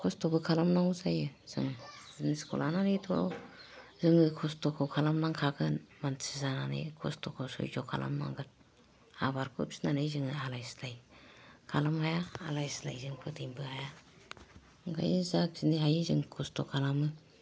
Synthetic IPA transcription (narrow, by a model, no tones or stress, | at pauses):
kʰɔstɔbɯkʰalamnaŋzajɯz̥ɯ̰ŋziniskʰo̰lananitʰɔ̰ | zɯŋɯkʰɔstɔkʰɯkʰalamnaŋkʰaɡɯnmansʰizananḭkʰɔ̰stʰɔkʰɔsɔ̰jd͡ʒɔkʰa̰la̰mna̰ŋɡɯn | a̰baɾkʰɯp̚sinanɯjzɯŋɯalajslajkʰalamhajaalajsla̰jzɯŋpʰɯdijmbɯhaja | ŋɡʰa̰jzak̚ziniɦajizɯŋkʰɔstʰɔkʰalamɯ